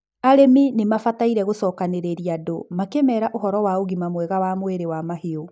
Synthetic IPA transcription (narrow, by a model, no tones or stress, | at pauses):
aɾeminemafataiɾɛɣosɔːkaneɾeɾiadomakemɛɾaʔoɦɔɾɔwaoɣimamwɛɣawamweɾewamaheo